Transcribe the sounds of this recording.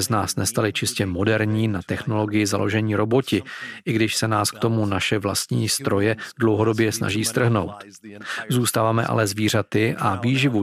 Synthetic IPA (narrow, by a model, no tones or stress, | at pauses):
znaːsnɛst̪alɪt͡ʃɪscɛmo̞dɛɾɲiːnat̪ɛxno̞lo̞ɡɪjɪzalo̞̰ʒɛɲiːɾo̞bo̞cɪʔɪɡdɪʃsɛnaːskt̪o̞munaʃɛvlast̪ɲiːst̪ɾo̞jɛdlo̞wɦo̞do̞bjɛsna̰ʒiːst̪r̩ɦno̞̰wt̪ | zuːst̪aːvaːmɛ̰ʔa̰lɛzviːr̝at̪ɪʔaviːʒɪvu